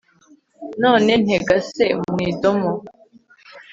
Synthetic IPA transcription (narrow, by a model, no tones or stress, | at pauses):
nɔnen̥eɡasemwiːdomo